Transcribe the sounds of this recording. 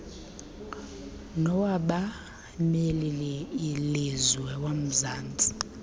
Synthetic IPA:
nɔwaɓa | melilɛilizwɛwam̩zaːnd͡zʱi̥

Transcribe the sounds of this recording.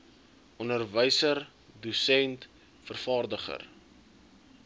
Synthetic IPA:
ʔɔnərvəjsər | dusɛnt | fərfɑːrdəχə̰r

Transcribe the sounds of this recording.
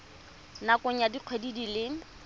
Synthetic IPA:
nakʊɲadiq͡χʰwedidilɪ

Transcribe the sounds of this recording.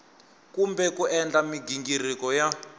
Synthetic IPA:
kumbɛkuʔɛnd͡ɮamiɡiŋɡirikɔja

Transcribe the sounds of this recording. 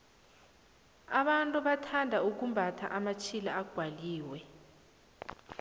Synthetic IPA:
aɓantʼuɓatʰandʱauk̬umbʱatʰa̰ʔamat͡ʃʰilaaɡ̥ʱwaliːwɛ

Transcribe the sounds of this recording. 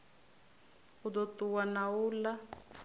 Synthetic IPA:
ud̪ɔtuwanauːla

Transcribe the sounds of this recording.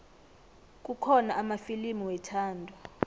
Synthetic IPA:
k̬ʼukʰɔnaʔːmafilimiwɛtʰaːndʱɔ

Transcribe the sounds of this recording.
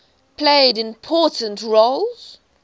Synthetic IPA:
pʰleɪdɪ̃mpʰɔˑtə̃ntɹolz̥

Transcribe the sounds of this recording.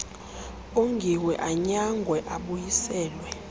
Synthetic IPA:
oŋɡʱiwɛʔaɲaŋɡʱwɛʔaɓujisɛːlwɛ

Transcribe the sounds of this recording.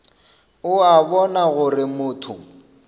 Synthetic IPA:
ʊabɔnaɣʊrɪmʊːtʰʊ̰

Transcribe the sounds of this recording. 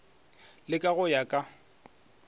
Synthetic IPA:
lɪkʼaɣʊjakʼa

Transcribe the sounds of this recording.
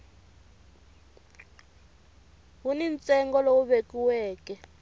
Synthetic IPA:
wunint͡sʼɛŋɡɔlowuɓekiwɛːkɛ

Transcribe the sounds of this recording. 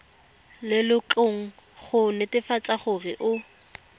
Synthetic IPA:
lɪlʊt͡ɬoŋ̩ | χʊnɪtɪfat͡sʼaχʊrɪʔʊ

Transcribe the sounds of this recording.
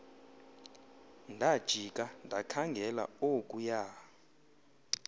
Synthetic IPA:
ndʱad̥ʒ̥ʱik̬ʼandʱakʰaŋɡʱɛla̰okʼujaː

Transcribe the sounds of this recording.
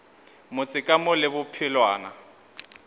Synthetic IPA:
mʊt͡sʼɪkʼamʊlɪbʊpʰɪlwaːna̰

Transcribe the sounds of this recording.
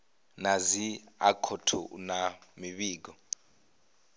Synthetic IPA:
naziakʰotʰṵnamiɓiːk̬ɔ

